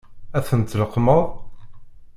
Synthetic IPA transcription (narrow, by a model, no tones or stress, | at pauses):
æθənt̪ləqːməðˤ